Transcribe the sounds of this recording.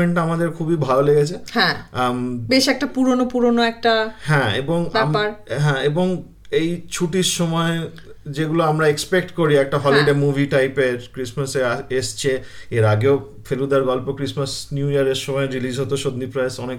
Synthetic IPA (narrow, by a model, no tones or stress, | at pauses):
eɳʈamad̪eɾkʰubibʱaloleɡet͡ɕʰehɛ̃ | beʃɛk̚ʈapuɾonopuɾonoɛk̚ʈahɛ̃eboŋbaɛmpaɾɦɛ̃eboŋ | ejt͡ɕʰuʈiɾʃɔmɔe | d͡ʑeɡuloamɾaekspek̚ʈkoɾiɛk̚ʈaɦɔliɖemubʱiʈajpeɾkɾismasest͡ɕʰeeɾaɡeo | fʰelud̪aɾɡɔlpokɾismasnjuiaɾeɾʃɔmɔeɾilid͡ʑɦot̪oʃod̪nːipɾaesɔnek